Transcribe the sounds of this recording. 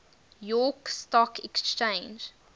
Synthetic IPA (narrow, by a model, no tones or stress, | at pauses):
jɔkstɔkʰɛkst͡ʃẽɪ̃nd͡ʒ